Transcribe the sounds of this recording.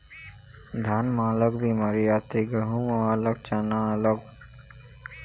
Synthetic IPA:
d̪ʱanmaːləkbimaɾiat̪iɡəɦumɔaːlək̚t͡ʃanalɔɡ

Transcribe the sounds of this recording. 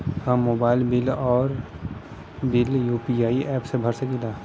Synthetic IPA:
hãmoːbaːɪlbɪlɔːɾ | bɪljuːpiaːiʔɛːpsebʱəɾsəkila

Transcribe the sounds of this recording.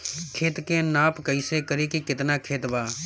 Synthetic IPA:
kʰeːt̪kenaːpkəɪsekəɾekikɪt̪nakʰeːt̪baː

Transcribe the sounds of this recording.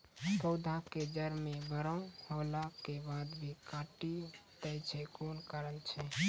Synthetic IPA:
t̪əʊd̪ʱaked͡ʒəɾmebəɾə̃holakebad̪bʱikaʈit̪əjt͡ʃʰɛkonkəɾəlt͡ʃʰɛ

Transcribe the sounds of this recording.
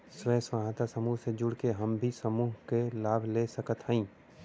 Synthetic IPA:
swɛ̃ːswaɦat̪asəmuɦsed͡ʒʊɽkeɦɐmbʱisəmuːɦkelaːbʱlesəkət̪ɦə̃ĩː

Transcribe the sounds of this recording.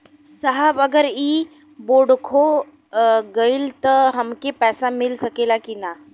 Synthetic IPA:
səɦaʋəɡəɾiː | boɽkʰo | ɡəilt̪əɦəmkepɛsamilsəkelakina

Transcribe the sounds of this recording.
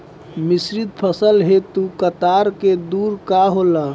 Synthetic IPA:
misɾid̪̚pʰəsəlɦet̪ukət̪aɾked̪uɾkaɦolə

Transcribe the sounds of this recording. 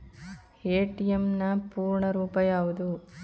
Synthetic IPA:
eːʈijemnɐpuːɾɳɐɾuːpɐjaːʋud̪u

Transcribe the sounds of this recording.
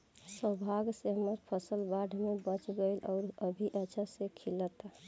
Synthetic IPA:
səbʱaɡseɦəməɾpʰəsəlbaɖʱmebət͡ʃɡelʔɔ̰ɾəbʱiʔət͡ʃʰəsekʰilət̪

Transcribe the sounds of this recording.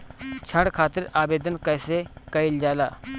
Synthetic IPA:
t͡ʃʰɐɳɽɖkʰaːt̪ɪɾaːbeːd̪ənkɐjsekɐild͡ʒaːlaː

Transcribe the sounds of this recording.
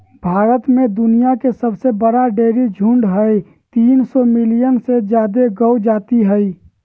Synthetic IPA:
bʱaːɾət̪mẽd̪ʊnijakesəbsebəɽaɖeːɾid͡ʒʱʊ̃ɳɖɦəi | t̪iːnsɔmɪlijənsed͡ʒjaːd̪eɡəwd͡ʒaːt̪iɦəi

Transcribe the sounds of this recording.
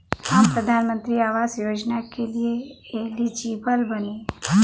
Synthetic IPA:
aːmpɾəd̪ʱaːnmə̃nt̪ɾiaːʋaːzjoːd͡ʒnakelieeɦlid͡ʒiːbəlbɐnẽː

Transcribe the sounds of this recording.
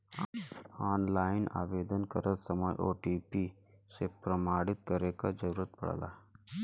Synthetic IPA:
aːnlaːɪna̰ːʋeːd̪ənkəɾəlsəməjʔo̰ːʈiːpi | sepɾəmaːɽɪt̪̚kəɾekad͡ʒəɾuːɾət̪̚pɐ̰ɽ̤̰la̰ː

